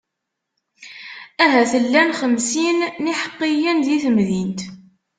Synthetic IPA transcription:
æɦæθəlːænχəmsinːiħə̥qːijænðiθəmðint̪

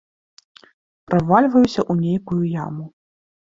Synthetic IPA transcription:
pɾavalʲvɐjusʲɐʔunʲejkujuja̰mu

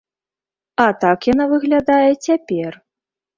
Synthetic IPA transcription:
ɐt̪akjanavɨɣlʲad̪ajɛt͡sʲapʲɛr

